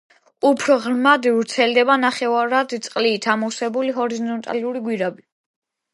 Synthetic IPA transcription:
upʰɾɔʁɾmad̪iuɾt̪sʰɛld̪ɛbanaχɛvaɾad̪t̪sʼqʼliːt̪ʰamɔsɛbuliɦɔɾizɔnt̪ʼa̰luɾiɡwiɾabi

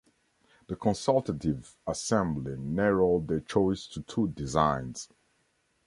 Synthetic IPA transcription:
ðəkʰɔ̃nsalˠtətiv | əsɛ̃mblinɛɹəldðət͡ʃʰɔɪstʰutʰudizãɪ̃nz̥

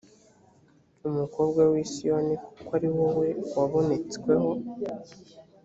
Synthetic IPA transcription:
umuko̞ːbɡawisijoniku̥kwaɾiwowe̞waβo̞ne̞t͡skwe̞ɦo̞

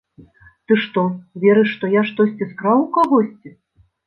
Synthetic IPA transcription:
t̪ɨʂt̪ɔvʲɛɾɨʂːt̪ɔjaʂt̪ɔsʲt͡sʲiskɾawukaɣɔsʲt͡sʲi

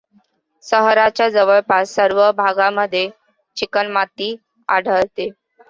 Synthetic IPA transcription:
səɦɾat͡ɕjad͡zəʋəɭpasəɾʋəbʱaɡaməd̪ʱːje | t͡ɕikənmat̪iː | a̰ɽ̤ʱəɭt̪e

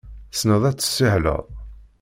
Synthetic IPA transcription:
snəðˤæt͡sːə̥sːiħlə̰ʁˤ

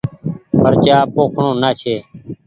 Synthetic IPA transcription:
pəɾt͡ʃaːpoːkʰɳõːnaːt͡ʃʰeː

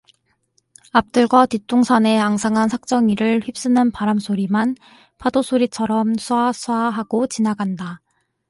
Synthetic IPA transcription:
ap̚t͈ɯɭɡwatit͈oŋsʰane̞aŋsʰaŋɦansʰak̚t͡ɕ͈ʌŋiɾɯɭɸɥip̚s͈ɯnɯnpaɾamsʰoɾiman | pʰadosʰoɾit͡ɕʰʌɾʌmsʰuasʰuaɦaɡ̥ot͡ɕinaɡanda

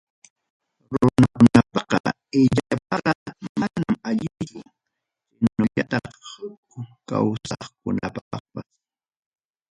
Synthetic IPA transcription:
ɾʊnakʊnapɑqɑ̰ | ɪʎapɑqɑmanamaʎɪt͡ʃʊ | hɪnʊʎat̪ɑχhʊkʊka̰wsɑχkʊnapɑχpas

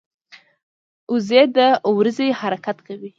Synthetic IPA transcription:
ʊzed̪əwɾəzehaɾakat̪kawi

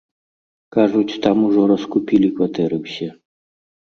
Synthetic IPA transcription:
kaʐut͡sʲt̪amuʐɔɾɐskupʲilʲikvɐt̪ɛɾɨwsʲɛ

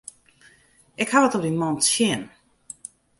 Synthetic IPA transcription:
ɪkhaʋətɔp̚dimɔntsjɪn

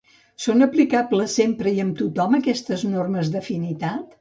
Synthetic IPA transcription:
sonəplikabləsːempɾəiəmt̪ut̪ɔməkɛst̪əznorməzðəfinit̪at̪

